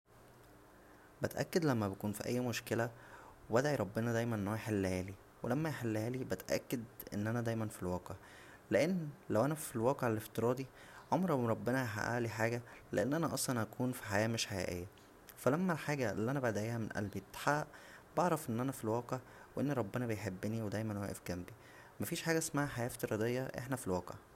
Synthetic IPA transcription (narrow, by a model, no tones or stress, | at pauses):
bæt̪ʔæ̰kːed̪læmːæbekuːnfiʔæ̰jːmoʃkelæwebæd̪ʕiɾˤɑbːenɑd̪æjmænʔenːhohæjeħelːhæːli | welæmːæjeħelːhæːlibæt̪ʔæ̰kːed̪ʔḛnːʔænæd̪æjmænfilwɑːqeʕ | leʔenːlæwʔænæfilwɑːqeʕeleft̪eɾˤɑːd̪i | ʕomɾɑmɾˤɑbːenɑɦa̰ʔæ̰ːliħaːɡælḛʔenːʔænæʔɑsˤlɑnʔækʰuːnfi̥ħajæːmeʃħajæ̰ːʔejːæ | fælæmːælħaːɡæelːiʔænæbaʕd̪æʕʔeːhæmenʔæ̰lbet̪ħaʔ | bɑʕɾˤɑfʔenːʔænæfilwɑːqeʕ | weʔenːɾˤɑbːenæbejħebːeniwed̪æjmænhowʔḛfɡæmbi | mæfiːʃħaːɡæʔsmaːʕaħajæːʔeft̪eɾɑːd̪ejːɑʔḛħnæfilwɑːqḛʕ